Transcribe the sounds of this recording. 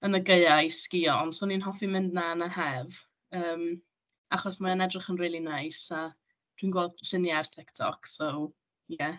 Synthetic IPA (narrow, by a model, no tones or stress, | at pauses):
ənəɡeɨajsɡ̥iɔnsoninɦɔfimɪndnanahɛv | əːm | aχɔsmaənɛdrɪχənriːlˠinajsa | d̥winɡwɛlˠd̥ɬɪnjartʰɪktʰɔ̰ksow | jɛ